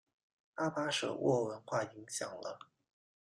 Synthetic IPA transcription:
a˥pa˥ʂɤ̰˨˩wʔɔ˥˩wə˧˥nxwa˥˩i˧˥ŋɕjɑ̰˨˩ŋlə̰˦

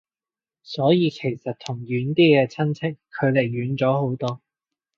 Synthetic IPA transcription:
sɔː˨˥jiː˨˧kʰe˨˩jsɐ˨t̚t̪ʰʊ˨˩ŋɥyː˨˥nt̪iː˥kɛː˧t͡sʰɐ˥nt͡sʰɪ˥kʰːɵ˨˧ɥle˨˩jːyː˨˧nt͡sɔː˨˥ho˨˥wt̪ɔː˥

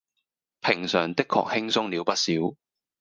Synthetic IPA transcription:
pʰɪ˨˩ŋsœː˨˩ŋt̪ɪ˥kʰːɔ̰ː˨k̚hɪ˥ŋsʊ˥ŋliː˨˧wpɐ˥t̚siː˨˥w

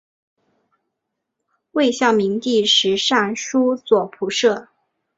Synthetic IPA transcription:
we˥˧ɪɕjɑ˥˩ʊmi˧˥ŋt̪i˥˩ʂɻ̩˧˥ʂa˥˩nʂu˥t͡swɔ˨˩pʰu˧˥ʂɤ˥˩

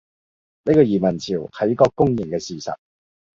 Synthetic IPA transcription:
ne˥kɔː˧jiː˨˩mɐ˨˩nt͡sʰiː˨˩whɐ˨˥jkɔː˧kːʊ˥ŋjɪ˨ŋkɛː˧siː˨˩sɐ̰˨t̚

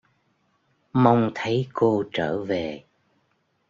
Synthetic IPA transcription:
ma˧wŋ͡mt̪ʰə˨˦jko˧t͡ɕəː˧˩ve˨˩

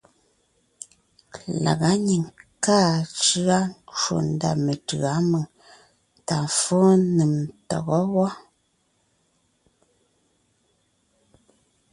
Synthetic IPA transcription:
la̰˨ɣa˨˦ɲi˨ŋkaː˦˨t͡ʃɯ˦a˦n˦t͡ʃwo̰˨n˦da̰˨me˨tɯ˨a˨˦mə˨ | ta˨ɱ˨fo˦nɨ˨mtɔ̰˨ɣɔ˦wɔ˦

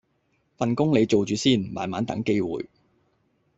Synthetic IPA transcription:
fɐ˨nkʊ˥ŋle˨˧jt͡so˨wt͡ʃyː˨siː˥˩nma̰ː˨˧nmaː˨˥nt̪ɐ̰˨˥ŋke˥jwṵː˨˧j

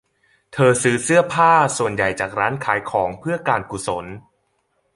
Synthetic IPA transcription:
t̪ʰɤː˧sɯː˦˥sɯ˥˩ɐpʰaː˥˩su˨˩ənja˨˩jt͡ɕaː˨˩k̚ɾaː˦˥nkʰaː˩˦jkʰɔː˩˦ŋpʰɯ˥˩ɐkaː˧nku˨˩so˩˦n

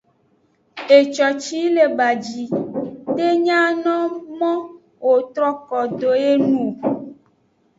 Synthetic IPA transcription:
e˨t͡ʃɔ˨t͡ʃi˦le˨ba˨d͡ʒi˨t̪e˦ɲã˦nɔ̃˦mɔ̃˦ | wo˨t̪ɾɔ˦kɔ˨d̪o˨e˦nũ˨

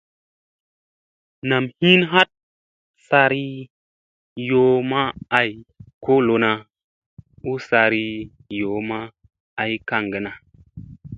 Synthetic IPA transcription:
na˨mhi˦nɦa˦t̚ | sa˧ɾi˦ | jo˨˦ma˦a˨jko˦lo˨na˨ | u˦sa˧ɾi˧ | jo˨˦maː˦˨ | jka˧˨ŋɡə˨na˨

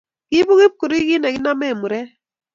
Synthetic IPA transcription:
ɡi˦bu˦ɣe˦p̚ko˨ɾi˦ɡi˦nɛ˨ɡi˦na˦mɛ˦˨mu˨ɾɛ˦

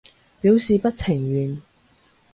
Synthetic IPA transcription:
piː˨˥wsiː˨pɐ˥t̚t͡sʰɪ˨˩ŋɥyː˨n

